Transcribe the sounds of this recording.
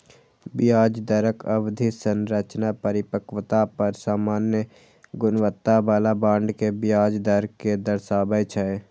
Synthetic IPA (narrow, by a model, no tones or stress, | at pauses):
bɪjaːd͡ʒd̪əɾəkʰəwd̪ʱisənɾət͡ʃnapəɾɪpəkwt̪apəɾsaːmaːnjə | ɡʊnwət̪ːabaːlabãːɳɖkebɪjaːd͡ʒd̪əɾkked̪əɾsaːbəjt͡ʃʰəe